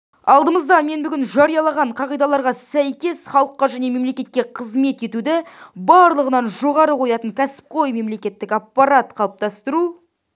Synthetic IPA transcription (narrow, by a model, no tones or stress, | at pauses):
ɑlˠd̪əməzd̪ɑme̞nbʏɡʲɪnʒɑɾijɑlˠɑʁɑɴqʰɑʁijd̪ɑlˠɑɾʁɑsæjkʲe̞sχɑlˠəqːɑʒæne̞me̞mle̞kʲe̞t̪̚kʲe̞qʰəzme̞t̪e̞t̪ud̪ɪbɑɾlˠəʁənɑnʒo̞ʁɑɾəqʰo̞jɑt̪əŋkʲʰæsɪ̥p̚qʰo̞jme̞mle̞kʲe̞t̪ːɪkapːɑɾat̪qʰɑlˠəp̚t̪ɑst̪əɾu